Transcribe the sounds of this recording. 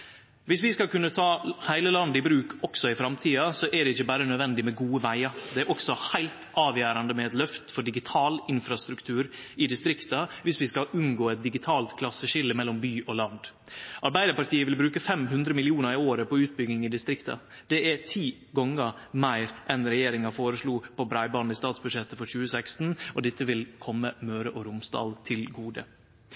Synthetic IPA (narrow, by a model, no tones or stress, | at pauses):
ʋɪsʋɪskɑlkʉnːət̪ʰɑːhæɪləlɑnd̪ɪbɾʉːkʰɔksɔɪfɾɑmt̪ʰiːɑsɔʔæɖɛɪçːəbæːɾənœd̪ʋɛnd̪ɪmɛɡuːəʋæɪəɾd̪ɛæɾʔɔksɔhæɪlt̪ʔɑːʋjæːɾɑnd̪əmɛɛt̪lœft̪fɔɖɪɡɪt̪ʰɑːlɪnfɾɑst̪ɾʉkt̪ʰʉːɾɪd̪ɪst̪ɾɪkt̪əʋɪsʋɪskɑʔʉnɡoːɛt̪̚d̪ɪɡɪt̪ʰɑːlt̪kʰlɑsəʃɪlːəmɛlːɔmbyːʔoːlɑnd̪ | ʔɑɾbæɪd̪əɾpɑɾt̪ʰiːəʋɪlbɾʉːkəfɛmɦʉnd̪ɾəmɪlɪuːnəɾɪoːɾəpɔʉːt̪̚bʏɡnɪŋɪd̪ɪst̪ɾɪkt̪ɑ̰ | d̪̥ɛæt̪ʰiː | ɡɔŋəmæɪɾʔɛnɾɛjeːɾɪŋɑfoːɾəʂluːpʰɔbɾæɪbɑːnɪst̪ɑːt̪sbʉd̪ʂɛt̪ːəfɔɾçʉːəsæɪkst̪n̩ʔɔd̪ɪt̪ːəʋɪlkʰɔmːəmøːɾəʔoːɾʊmsd̪ɑ̰ːlt̪ʰɪlɡuːd̪ə̰